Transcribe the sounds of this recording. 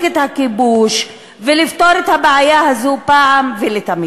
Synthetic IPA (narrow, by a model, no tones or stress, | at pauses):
ɡet̪hakibuʃ | velift̪o̞ɾet̪habeʕajahazupaʕamvelet̪ami